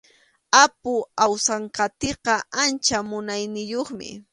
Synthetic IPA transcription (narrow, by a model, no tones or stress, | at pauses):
apʊawsɑɴkɑt̪eqɑʔant͡ʃamʊnajnɪjoχmɪ̰